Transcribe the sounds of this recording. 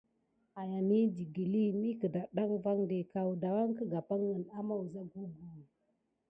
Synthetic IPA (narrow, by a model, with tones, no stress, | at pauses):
a˨ja˨ni˦d͡ʒi˨ɡi˨li˦mi˦kə˨da˨ɗa˦ŋva˦ŋde˨ka˨wda˨wa˦ŋ˦kə˦ɡa˨pa˦ŋːə˨na˦ma˦wu˨za˦ɡu˦ɡu˨